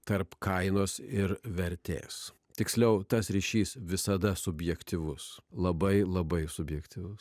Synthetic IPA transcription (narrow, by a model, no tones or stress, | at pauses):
t̪ɐɾpkɐɪnoːsɪɾʋʲɛɾʲt̪ʲḛːs | t̪ʲɪksʲlʲɛʊt̪ɐsɾʲiʃʲiːsʋʲɪsɐd̪ɐsʊbʲjɛkt̪ʲɪʋʊslˠɐbɐɪlˠɐbɐɪsʊbʲjɛkt̪ʲɪʋʊs